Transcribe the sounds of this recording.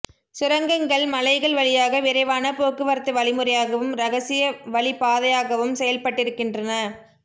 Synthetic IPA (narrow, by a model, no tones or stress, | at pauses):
sɪɾɐŋɡɐŋɡɐɭmɐlɐɪɣɐɭʋɐɭɪjaːɣɐʋɪɾɐɪʋaːnɐpoːkːɯʋɐɾt̪ːɯʋɐɭɪmɯɾɐjaːɣɐʋɯmɾɐɣɐsɪjɐʋɐɭɪpaːðɐjaːɣɐʋɯmsɛjɐlpɐʈːɪɾɯkːɪndrɐnɐ